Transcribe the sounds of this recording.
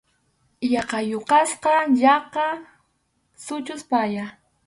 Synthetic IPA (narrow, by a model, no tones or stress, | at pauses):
jɑqɑjoqɑsqɑʎɑqɑ | sʊt͡ʃʊspaja